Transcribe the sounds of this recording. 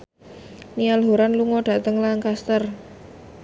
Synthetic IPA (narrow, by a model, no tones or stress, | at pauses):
nialɦoɾanluŋɔɖ̥ä̤t̪əŋlaŋkast̪ər